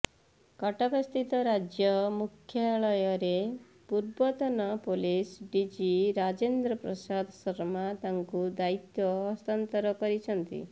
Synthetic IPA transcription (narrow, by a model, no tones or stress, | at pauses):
kɔʈɔkɔst̪it̪ɔɾad͡ʒjɔmukʰjaɭɔjɔɾe | puɾbɔt̪ɔnɔpolisɖid͡ʒiɾad͡ʒend̪ɾɔpɾɔsad̪ʱsɔɾmat̪aŋkud̪ait̪jɔːst̪ant̪ɔɾɔkɔɾit͡ʃʰɔnt̪ḭ